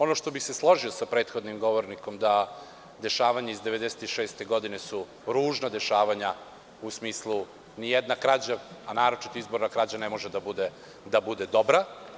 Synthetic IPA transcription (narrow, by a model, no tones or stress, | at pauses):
o̞no̞ʃt̪obixseslˠo̞ʒio̞sapɾe̞ːt̪xo̞d̪nimɡo̞ʋoɾniko̞md̪a | d̪e̞ʃaːʋaɲaizd̪e̞ʋed̪eset̪iʃeːst̪eɡo̞d̪inesu | ɾuːʒnad̪e̞ʃaːʋaɲa | usmiːslˠu | nijed̪nakɾad͡ʑaanaːɾot͡ʃi̥t̪oizbo̞ɾnakɾad͡ʑanemo̞ʒed̪abud̪e | d̪abud̪e̞d̪o̞bɾa